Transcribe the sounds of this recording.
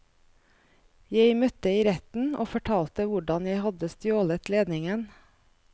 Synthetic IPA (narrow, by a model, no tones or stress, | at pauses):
jeɪmœt̪əiːɾɛt̪n̩ʔo̰ːfɔʈʰɑːlt̪əʋʊɖɑnjæɪhɑd̪əst̪joːlət̪leːd̪nɪŋən